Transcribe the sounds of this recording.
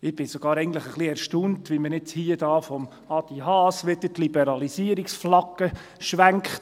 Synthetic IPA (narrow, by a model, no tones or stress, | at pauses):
ɪb̥ɪsoɡ̥ɑːɾɛɪɡnt̪ləχəχliɛɾʃtuntʋimənɪt͡shiːəd̥ɑːfɔm | ɑd̥̪iɦɑːsʋɪtətlibɛɾɑlisiəɾiksflɑɡ̥ə | ʃʋæŋkχt